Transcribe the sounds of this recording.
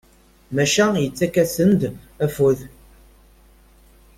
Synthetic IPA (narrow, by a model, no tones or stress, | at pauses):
mæʃæjət͡sːækːæsənd̪ | æfuð